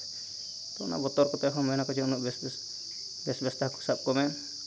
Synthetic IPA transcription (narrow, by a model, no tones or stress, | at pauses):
t̪ɔna̰bɔt̪ɔɾkɔt̪ɔkʰɔmɔjnakɔt͡ʃʰiɔnuʔb | bɛsbɛst̪aku̥sap̚kɔmɛ